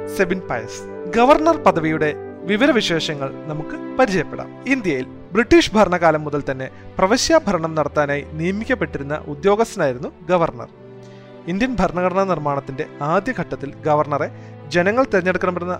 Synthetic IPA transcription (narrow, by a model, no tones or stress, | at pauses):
seʋinpɐ̰jɐ̰s | ɡɐʋɐrɳɐrpɐd̪ɐʋijuɽe̞ʋiʋɐɾɐʋiɕe̞ːʂɐŋːɐɭnɐmukːɨpɐɾit͡ɕɐjɐpːe̞ɽa̰ːmind̪jɐjil | briʈːiːʂbʱɐrɳɐɣaːlɐmːuðɐlt̪ɐnːe̞prɐʋɐɕjaːbʱɐɾɐɳɐmnɐɽɐt̪ːaːnaːjinijɐmikʲːɐpːe̞ʈːiɾunːɐ̰ʔud̪joːɡɐst̪ːɐnaːjiɾunːuɡɐʋɐrɳɐ̰r | ind̪jɐnbʱɐɾɳɐɣɐɽɐɳɐnirmaːɳɐt̪ːinde̞aːd̪jɐɡʱɐʈːɐt̪ːilɡɐʋɐrɳɐre̞ | d͡ʑe̞nɐŋːɐɭt̪iɾɐɲːeɽukːɐɳɐmpɐɽunːɐ